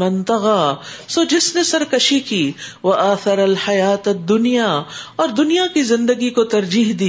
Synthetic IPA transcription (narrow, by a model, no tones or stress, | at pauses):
mɪ̃nt̪ɐɣasoːd͡ʒɪsnesɐɾkɐʃikiːʋɐʔaːθɐɾɐlħɐjaːt̪ɐd̪ːʊnijaɔːɾd̪ʊnijakizɪ̃nd̪əɡikot̪ɐɾd͡ʒiːɦd̪iː